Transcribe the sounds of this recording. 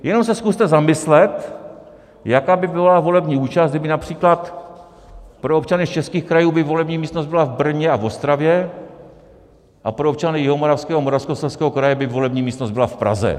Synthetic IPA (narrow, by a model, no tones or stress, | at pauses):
jɛno̞msɛskust̪ɛzamɪslɛt̪ | jakaːbɪbɪlavo̞lɛbɲiːuːt͡ʃaszt̪ɡ̚dɪbɪnapr̝̥iːklat̪ | pɾoop̚t͡ʃanɪst͡ʃɛskiːxkɾajuːbɪvo̞lɛbɲiːmiːst̪nozd̪bɪlavbr̩ɲɛavo̞st̪ɾavjɛ | ʔapɾoop̚t͡ʃanɪjɪɦomoɾafskɛːɦomoɾafskosɛlskɛːɦokɾajɛbɪvo̞lɛbɲiːmiːst̪nozd̪bɪlafpɾa̰zɛ̰